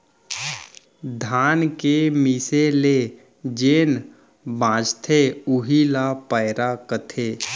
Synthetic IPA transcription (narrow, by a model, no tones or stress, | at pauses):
d̪ʱaːnkemisele | d͡ʒeːn | bãːd͡ʒt̪ʰeʊɦilapəɪɾakət̪ʰe